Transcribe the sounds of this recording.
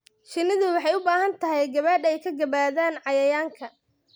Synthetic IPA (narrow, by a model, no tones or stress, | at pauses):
ʃɪnɪðʊwɑħɑjʊbaːɦɐnt̪ʰɐɦɛjɡɐβɐd̪ɛjkʰɐɡɐβaːðaːnʕɑjɐjaːŋkʰɐ